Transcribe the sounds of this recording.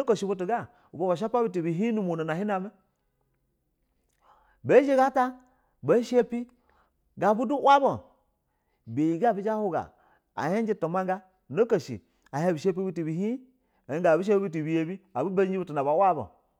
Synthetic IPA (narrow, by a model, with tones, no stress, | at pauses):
o˦ko˨ʃi˨bu˦t̬u˨ɡa˦ | u˨bo˨ba˨ʃ̬a˦pa˦bi˦t̬i˨bi˨ɦi˦nu˦mo˨no˨n˨a˨hi˦na˨me˦ | be˦ʒe˦ɡa˦ta˦ | be˨˦ʃe˦pi˦ | ɡa˨bu˦du˦wa˦bo˨ | be˨ji˨ɡa˦˨bi˦d͡ʒa˦hu˦ɡa̰˨ | a̰˨je˦n˦d͡ʒi˦to˨ma˦ŋɡa˦ | no˦ko˨ʃḭ˨ | a˨he˦bi˨ʃe˦p̬i˦bu˦ti˨bi˨ɦi˦ | e˨i˦ɡa˨bi˦ʃ̬e˦i˦t̬u˨bi˨je˨bi˦a˨bu˦ba˦i˦bu˦tu˨na˨ba˨wa˦bo̰˨